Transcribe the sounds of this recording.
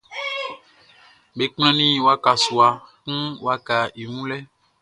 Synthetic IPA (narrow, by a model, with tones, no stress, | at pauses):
be˨k͡pɛ̃˦nĩ˦wa˦ka˨su˨a˨kũ˦wa˦ka˨i˨ŋũ˦lɛ˦